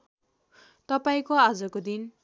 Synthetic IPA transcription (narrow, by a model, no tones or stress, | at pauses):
t̪ʌpaĩkoad͡zʌkod̪in